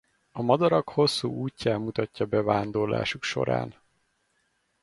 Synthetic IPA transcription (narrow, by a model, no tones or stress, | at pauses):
ɒmɒd̪ɒɾɒkho̞sːuːuːcːaːmːut̪ɒcːɒbɛvaːnd̪orla̰ːʃukʃo̞̰ɾa̰ːn